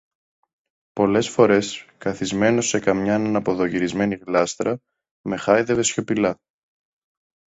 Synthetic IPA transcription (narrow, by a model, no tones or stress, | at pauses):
po̞le̞sfo̞ɾe̞skɐθizme̞no̞se̞kɐmɲɐenɐnɐpo̞ðo̞ʝiɾizme̞niɣlɐst̪ɾɐ | me̞xɐjðe̞ve̞sço̞pilɐ